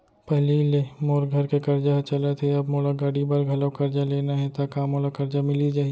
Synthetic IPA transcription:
pɛɦlilemoːɾɡʱɐɾkekɐɾd͡ʒat͡ʃɐlat̪ʰeɐbmoːlaɡaːɽibɐɾɡʱɐləwkɐɾd͡ʒaleːnaɦɛt̪akaːmoːlakɐɾd͡ʒamɪlid͡ʒaːɦi

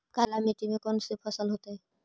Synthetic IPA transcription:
kalamiʈimekɔnsepʰəsəlɦot̪eɦɛ

